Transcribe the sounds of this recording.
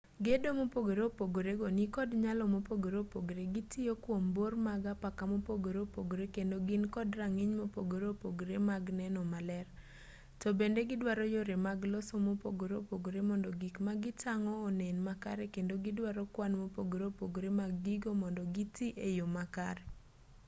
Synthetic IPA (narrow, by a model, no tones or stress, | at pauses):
ɡedomopoɡoɾeopoɡoɾeɡonikɔdɲalɔmopoɡoɾopoɡoɾeɡitʰiokwombormaɡapakamopoɡoɾopoɡoɾekendoɡɪnkɔdraŋɪɲmopoɡoɾopoɡoɾemaɡnɛnɔmalɛr | tɔbendeɡɪdwaɾɔjoɾemaɡlɔsomopo̰ɡoɾeopoɡoɾemɔndɔɡikmaɡɪtaŋɔːnenmaka̰ɾekendoɡɪdwaɾɔkwanmopoɡoɾeopoɡoɾemaɡːiɡomɔndɔɡitiʔejomaka̰ɾe